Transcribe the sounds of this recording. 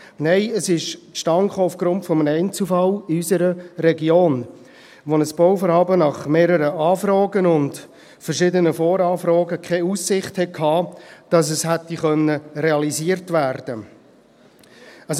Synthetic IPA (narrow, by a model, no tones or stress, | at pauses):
nɛɪəsɪʃtʃtɑŋχoːʊfɡ̥ɾʊntfɔmənɛɪnt͡sufɑlysəɾəɾɛɡjoːn | ʋonəsb̥owfɔɾhɑːbənɑχmeːɾəɾəɑːfɾɑːɡənʊnd | fəɾʃɪːdənəfoːɾɑːfɾɑːɡəkʰχɛusːɪχthɛkʰhɑːd̥ɑs̬əshɛtːiχœnːəɾɛɑliziːəɾtvæːɾd̥ə